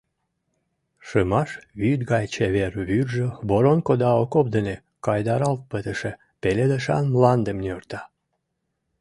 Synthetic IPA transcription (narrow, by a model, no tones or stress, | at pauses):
ʃəmɑʃβyt̪ɡɑjt͡ɕeβerβyrʒəboɾonkod̪ɑokopd̪əne | kɑjd̪ɑɾɑlt̪̚pət̪əʃe | peled̪əʃɑ̰nmlɑnd̪əmnʲørt̪ɑ